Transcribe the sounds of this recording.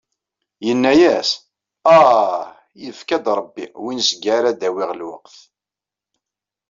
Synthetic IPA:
jənːæjæs | æ | jəfkæd̪ɾˤəbːḭwinsɡæɾæd̪æwɪʁlwə̰qθ

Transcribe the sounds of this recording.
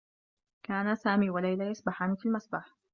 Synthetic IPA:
kaːnasaːmiːwalajlajasˤbaħaːnɪfilmasbaħ

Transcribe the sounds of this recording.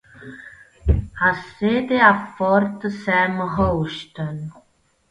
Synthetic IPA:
hased̪eafɔɾt̪sɛmɦowʃtən

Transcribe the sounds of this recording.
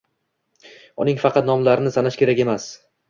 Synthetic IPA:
ʊnɪŋfɑqʰɑt̪̚nɒmlaɾɪnɪsanaʃkʲʰe̞ɾakʲe̞mas

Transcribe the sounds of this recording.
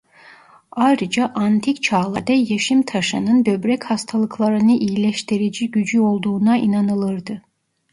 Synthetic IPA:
ajɾɯd͡ʒaʔant̪ʰict͡ʃʰaːlˠaɾd̪ɛjeʃimt̪ʰaʃɯnɯnbøbɾɛchast̪ʰalˠɯkʰlˠaɾɯnɯʔijlʲɛʃt̪ʰiɾid͡ʒiɟyd͡ʒyo̞lˠd̪uːnainanɯlˠɯɾd̪ɯ

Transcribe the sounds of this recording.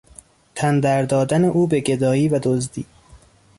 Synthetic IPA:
t̪ʰænd̪æɾd̪ɒːd̪æneʔuːbeɟe̞d̪ɒːiːvæd̪ozd̪iː

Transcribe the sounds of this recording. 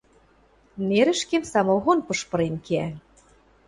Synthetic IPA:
neɾɘ̆ʃkemsɑmoɣonpɤ̆ʃpɤ̆ɾenkeæ

